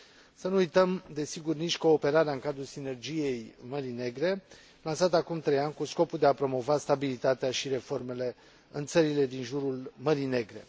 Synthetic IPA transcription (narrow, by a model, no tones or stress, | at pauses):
sənuujt̪əmd̪e̞siɡurniʃʲko̞ːpe̞ɾaɾeaɨŋkad̪ɾulsine̞rd͡ʒije̞jməɾine̞ɡɾe̞ | lansat̪akumt̪ɾe̞janʲkusko̞puld̪eapɾo̞mo̞vast̪abilit̪at̪eaʃiɾe̞fo̞rme̞le̞ | ɨnt̪səɾile̞d̪inʒuɾulməɾine̞ɡɾe̞̰